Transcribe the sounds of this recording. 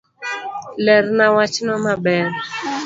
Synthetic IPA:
lɛɾnawat͡ʃnɔmabɛr

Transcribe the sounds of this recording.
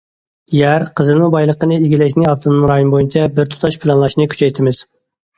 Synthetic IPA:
jæɾqʰəzɨlmɨbɑjlˠəqənɨiɡʲilɛkʲnɪɑb̚t̪ʰonmɾɑːjonbojint͡ʃʰɛbɪɾt̪ʰu̥t̪ʰɑʃpʰɪlˠɑnlˠɑʃnɨkʲy̥t͡ʃʰɛjt̪ʰɪmɪz̥

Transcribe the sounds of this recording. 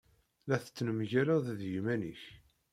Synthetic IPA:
læθə̥t͡sːnəmʝæɾæððjimæniç

